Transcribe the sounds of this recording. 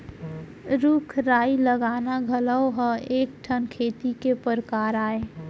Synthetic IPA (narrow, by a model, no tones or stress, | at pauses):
ɾukʰɾaːiləɡaːnaɡʱələwɦə̃eːk̚ʈʰənkʰeːt̪ikepəɾəkaːɾaːe